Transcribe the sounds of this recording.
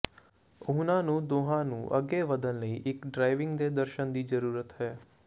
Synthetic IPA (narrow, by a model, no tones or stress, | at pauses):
ʊːnãːnũːd̪oːɦãːnũːʔə̰ɡːeːʋəd̪ənləḭːʔɪkɖɾaːɪʋɪ̃ŋɡd̪eːd̪əɾʃənd̪iːd͡ʒəɾuːɾət̪ɦɛː